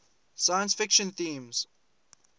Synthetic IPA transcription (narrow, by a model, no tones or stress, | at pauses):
sajə̃nsfɪkʃə̃nθĩːmz̥